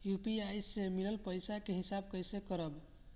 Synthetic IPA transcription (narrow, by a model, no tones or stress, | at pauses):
jupiajsemiləlpəjsakeɦisab̚kəjsekəɾəb